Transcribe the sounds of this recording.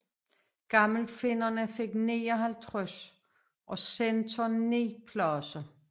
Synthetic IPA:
ɡ̥ɑ̈ml̩fe̝nɐnəfeɡ̥neːɒɦælt͡sʰʁœs | ʔɒ̽sent͡sʰɒne̝ːpʰlɒsɐ

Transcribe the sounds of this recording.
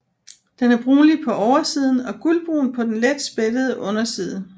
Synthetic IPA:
d̥enæɐb̥ʁuːlipʰɒ̽ʔɒʊɐsiːð̞ˠn̩ɒ̽ɡ̥ulb̥ʁṵːnpʰɒ̽d̥enled̥sb̥ed̥əðˠəʔɔ̽nɐsiːð̞ˠə

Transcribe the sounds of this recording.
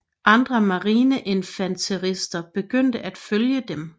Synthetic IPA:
ʔɑ̈nd̥ʁɐmɑ̈ʁiːnəʔenfænt͡sʰeʁisd̥ɐb̥e̝ɡ̥øn̰d̥əʔæd̥føljəd̥em

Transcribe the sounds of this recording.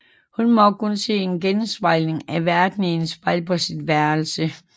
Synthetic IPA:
hunmɒ̽kʰunse̝̰ːenɡ̥ensʋɑ̈ɪ̰ne̝ŋæʋæɐd̥nensfɑ̈ɪ̰pʰɒ̽sidʋæɐlsə

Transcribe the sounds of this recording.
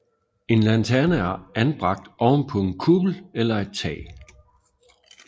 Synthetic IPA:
e̝nlænt͡sʰæɐnæɐænb̥ʁɑ̈ɡ̥̚d̥ʔɒʊnpʰɔ̽e̝nkʰub̥l̩elɐe̝d̥̚t͡sʰɛ̰ː

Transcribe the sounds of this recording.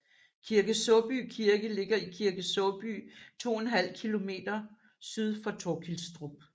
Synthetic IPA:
kʰiɐɡ̥əsɔb̥y̰kʰiɐɡ̥əle̝ɡ̥ɐikʰiɐɡ̥əsɔb̥y̰ːt͡sʰo̝̰ːenɦæl̰kʰilo̝me̝̰ːd̥ɐ | syð̞ˠfɒ̽t͡sʰokʰilsd̥ʁub̥̚

